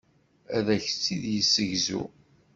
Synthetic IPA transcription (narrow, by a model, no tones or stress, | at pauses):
æðæçt͡sːiðjəsːəʝzṵ